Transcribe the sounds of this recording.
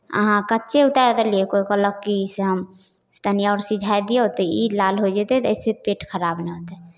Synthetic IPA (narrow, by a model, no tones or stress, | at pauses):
ə̰ɦãkətːʃʰeut̪aɾt̪əliekoikɔləkːiseɦəm | st̪ʰənijɔʊɾsid͡ʒʱajd̪ijeɦot̪ɛilalɦod͡ʒɛt̪ɛt̪əɪsepeʈkʰəɾabneɦot̪ɛ